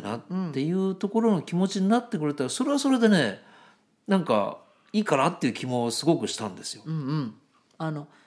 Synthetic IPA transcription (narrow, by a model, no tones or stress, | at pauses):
na̰t̪ːe̞jɯ̟ːt̪o̞ko̞ɾo̞no̞kʲimo̞t͡ɕiɲ̟inat̪ːe̞kɯ̟ɾe̞t̪aɾaso̞ɾe̞βaso̞ɾe̞d̪e̞ne̞ | nãŋka̰ | iːkanat̪ːe̞iɯ̟ːkʲimo̞sɨɡo̞kɯ̟ɕi̥t̪ãnd̪e̞sɨ̥jõ̞ | ano̞